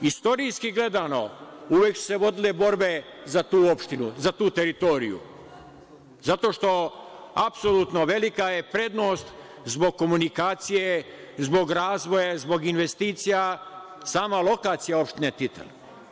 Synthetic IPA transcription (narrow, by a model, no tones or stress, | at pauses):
ist̪o̞ɾijskiɡle̞d̪ano̞̰uʋjeksu̥seʋo̞d̪ilebo̞ɾbezat̪uːo̞pʃt̪inuzat̪uːt̪e̞ɾit̪o̞ɾḭjṵ | zat̪o̞ʃt̪o̞ | apsolut̪no̞ʋe̞likaje̞pɾe̞d̪no̞ːst̪ | zbo̞ɡ̚kːo̞munikaːt̪sije | zbo̞ɡɾaːzʋo̞jazbo̞ɡinʋe̞st̪iːt̪sija | saːmalˠo̞kaːt̪sijao̞pʃt̪inet̪it̪ḛl